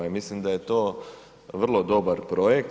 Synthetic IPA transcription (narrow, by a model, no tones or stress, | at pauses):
imislimd̪aje̞t̪oː | ʋr̩lˠod̪o̞baɾpɾo̞jek̚t̪